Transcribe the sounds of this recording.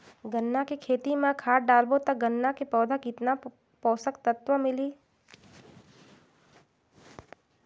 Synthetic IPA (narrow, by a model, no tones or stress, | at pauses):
ɡənːakekʰeːt̪imãkʰaːʈ̚ɖaːlbot̪ɐk̚ɡənːakepɔːd̪ʱəkɪt̪na | pɔːsəkt̪ɐt̪ʋəmɪliː